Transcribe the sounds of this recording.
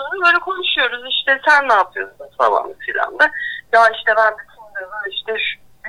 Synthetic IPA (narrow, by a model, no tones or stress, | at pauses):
onɯbøːjlʲɛkʰo̞nuʃujo̞ɾuziʃt̪ʰɛsænːaːpʰɯjo̞sud̪ast̪ʰa̰ba̰nd̪ɯfilʲa̰md̪ɛjaiʃt̪ʰɛbænd̪it̪ʰulujoɾuiʃt̪ʰɛʃ